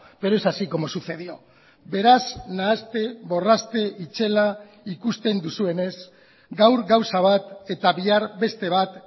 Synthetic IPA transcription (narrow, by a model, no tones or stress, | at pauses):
be̞ɾo̞esasiko̞mo̞suθe̞ð̞io̞ | be̞ɾaznaːst̪e̞βo̞rast̪e̞ʔit͡ʃe̞la | ikust̪e̞nd̪usue̞ne̞z | ɡawɾɡawsaβ̞at̪e̞t̪aβiaɾbe̞st̪e̞β̞at̪